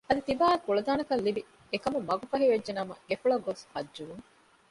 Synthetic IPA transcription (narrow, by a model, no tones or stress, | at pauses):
ɐd̪it̪ibaːekuɭɐd̪aːnɐkɐlːibi | ekɐmumɐɡufɐɦiʋedːenɐmɐ̰ɡefuɭɐɡoshɐd͡ʒːuʋuŋ